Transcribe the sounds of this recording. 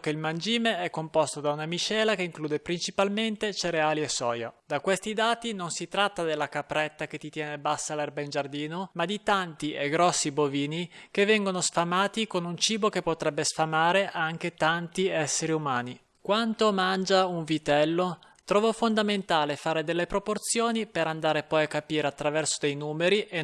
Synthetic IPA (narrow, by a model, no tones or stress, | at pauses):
keilmand͡ʒiːmeɛkːompɔst̪od̪aunamit͡ʃɛːlakeiŋkluːd̪epɾint͡ʃipalment̪et͡ʃeɾeaːliesːɔ̰ːja̰d̪akwest̪id̪aːt̪inonsit̪ɾat̪ːad̪elːakapɾɛt̪ːak̟et̪ːit̪jɛːnebasːalɛrbaind͡ʒard̪iːnomad̪it̪ant̪ieɡɾɔsːiboviːnik̟evːɛŋɡonosfamaːt̪ikonunt͡ʃiːbokepːot̪ɾɛbːesfamaːɾeʔaŋk̟et̪ant̪iɛsːeɾiumaːni | kwant̪omand͡ʒauɱvit̪ɛlːo | t̪ɾɔːvofond̪ament̪aːlefaːɾed̪elːepɾoport̪sjoːnipeɾand̪aːɾepɔjakːapiːɾeat̪ːɾavɛrsod̪ejnuːmeɾiʔe